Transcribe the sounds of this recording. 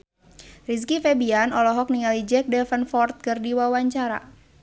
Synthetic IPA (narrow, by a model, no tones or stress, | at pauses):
riskifɛbianɔlɔɦɔk̚niŋalid͡ʒɛk̚dɛfənfɔrt̪̚kɨrdiwawaɲt͡ʃaɾa̰